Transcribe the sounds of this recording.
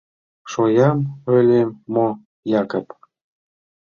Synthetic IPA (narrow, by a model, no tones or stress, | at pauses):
ʃojɑmølʲemːo | jɑkəp